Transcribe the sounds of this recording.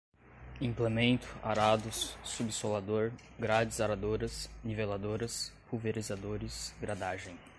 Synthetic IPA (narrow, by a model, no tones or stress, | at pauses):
ĩplemẽnt̪ʰʊ̥aɾad̪ʊsːubisolad̪oɾ | ɡɾad͡ʒɪzaɾad̪oɾɐsnivelad̪oɾɐspuveɾizad̪oɾɪsɡɾad̪aʒẽj̃